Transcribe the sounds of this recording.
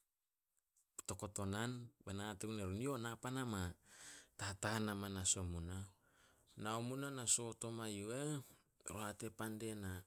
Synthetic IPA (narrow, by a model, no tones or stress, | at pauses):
pto̞ko̞to̞nanbanateneɾunio̞napanama | tataanamanaso̞muna | naomunanaso̞to̞majue | ɾoate̞pande̞na